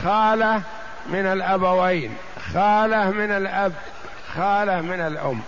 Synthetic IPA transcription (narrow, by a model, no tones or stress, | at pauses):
xaːlah | mɪnalʔabawaːn | xaːlahmɪnalʔab | xaːlahmɪnalʔʊmː